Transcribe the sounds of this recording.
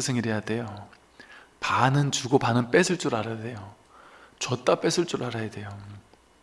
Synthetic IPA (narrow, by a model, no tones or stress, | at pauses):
ɯsʰɯŋiɾejade̞jo | panɯnt͡ɕuɡopanɯnp͈esʰɯɭt͡ɕ͈uɾaɾade̞jo | t͡ɕʌt͈ap͈e̞sʰɯɭt͡ɕ͈uɾaɾajade̞jo